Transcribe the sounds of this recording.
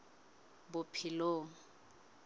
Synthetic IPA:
bʊpʰɪloːŋ̩

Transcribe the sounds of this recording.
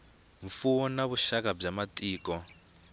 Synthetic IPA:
ɱfuɔnaβuʃakab͡ʐamatʼiːkɔ

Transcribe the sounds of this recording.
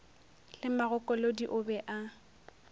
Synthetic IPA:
lɪmaɣʊkʼɔlodiʔʊbɛʔa

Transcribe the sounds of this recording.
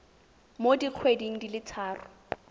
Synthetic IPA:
modiq͡χʰwediŋ̩dilɪt͡sʰaːrʊ

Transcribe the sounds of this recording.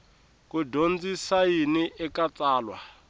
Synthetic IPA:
kudond͡zisajiniʔɛkat͡sʼaːlwa̰

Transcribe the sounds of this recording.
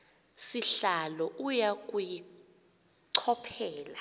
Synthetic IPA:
siɬalɔʔujakʼuji | ǀʰɔpʰɛːla

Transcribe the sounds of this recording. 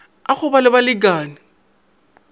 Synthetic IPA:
aχʊbalɪbalɪɡaːnɪ

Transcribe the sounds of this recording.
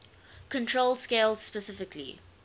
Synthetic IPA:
kʰə̃ntʰɹolˠskeɪlz̥spɛsɪfɪkʰlḭ

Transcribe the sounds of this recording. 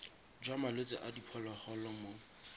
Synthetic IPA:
d͡ʒwamalet͡sʼɪʔadipʰɔlɔhɔlɔmo

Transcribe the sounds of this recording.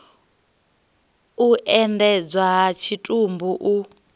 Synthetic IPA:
uʔɛndɛd͡zaɦat͡ʃʰitʼumbuʔu

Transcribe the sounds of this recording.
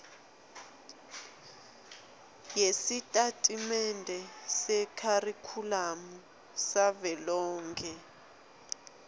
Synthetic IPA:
jesitʼatʼimɛndʱɛsɛkʰarikʰulamu | saβɛlɔːŋkʰɛ

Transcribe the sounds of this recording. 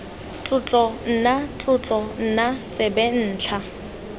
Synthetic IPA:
t͡ɬʼʊt͡ɬʼɔn̩nat͡ɬʼʊt͡ɬʼɔn̩nat͡sʼebɛn̩ːt͡ɬʰa

